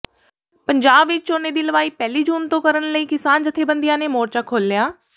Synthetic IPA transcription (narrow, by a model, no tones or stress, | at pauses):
pəɲd͡ʒaːbʋɪt͡ʃoːnẽːd̪iːləʋaːiːpɛːliːd͡ʒuːnt̪õːkəɾənləiːkɪsaːnd͡ʒɪt̪ʰːeːbənd̪ɪjãːneːmoːɾt͡ʃaːkʰoːlːjaː